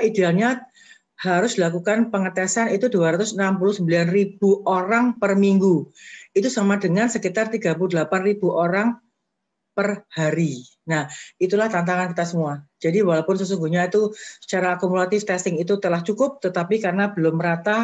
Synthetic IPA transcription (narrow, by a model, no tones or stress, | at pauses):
idealɲa | haɾʊsd̥ilakukanpəŋət̪ɛsanit̪uduaɾat̪ʊsənampulʊhsəmbilanrib̥uʔoɾaŋpərmiŋɡuit̪usamadəŋansəkit̪art̪iɡap̬uludəlapanrib̥uʔoɾaŋ | pərhaɾi | nahit̪ulaht̪ant̪aŋankit̪asəmuad͡ʒadiwalawpʊnsəsuŋɡuɲait̪usə̥t͡ʃaɾaːkumulat̪ɪft̪ɛst̪ɪŋit̪ut̪əlaht͡ʃukʊp̚t̪ət̪apikarənab̥əlʊmːəɾat̪a